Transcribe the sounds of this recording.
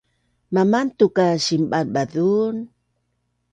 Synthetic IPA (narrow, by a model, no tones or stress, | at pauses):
mamant̪ukaɕimbanbaðun